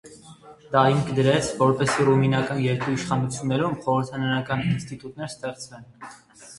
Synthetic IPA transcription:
d̪ɑimkʰd̪əɾɛt͡sʰvɔɾpɛsiruminɑkɑnjɛɾkʰuiʃχɑnut͡sʰjunːɛɾumχɔɾəɾt̪ʰɑnɑnɑkɑninst̪it̪ut̪nɛɾst̪ɛχt͡svɛn

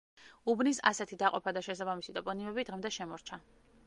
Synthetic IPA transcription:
ubnisa̰sɛt̪ʰid̪aqʼɔ̰pʰad̪aʃɛsabamisit̪ʼɔpʼɔnimɛbid̪ʁɛmd̪ɛʃɛmɔɾt͡ʃʰa

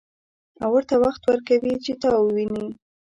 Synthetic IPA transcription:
awəɾt̪awaxt̪wəɾkawit͡ʃet̪ɑwəwini

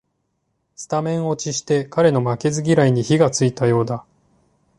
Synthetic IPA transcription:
sɨ̥t̪amẽ̞ɰ̃o̞t͡ɕiɕi̥t̪e̞kaɾe̞no̞make̞zɨɡʲiɾaiɲ̟içiɡat͡sɨit̪ajo̞ːd̪a

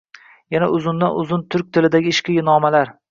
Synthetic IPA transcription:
janaʔʊzʊnd̪anʊzʊnt̪ʰʊɾk̚ʲt̪ʰɪlɪd̪aɡʲɪːɪʃkʲɪjɪnɒmalaɾ

